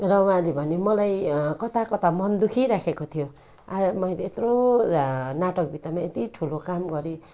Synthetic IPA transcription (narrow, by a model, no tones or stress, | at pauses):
rʌwãɦãlebʱʌnemʌlajkʌt̪akʌt̪amʌnd̪ukʰiɾakʰekot̪ʰijo | amʌjleːt̪ro | naʈʌk̚bʱit̪amaet̪iʈʰulokamɡʌɾe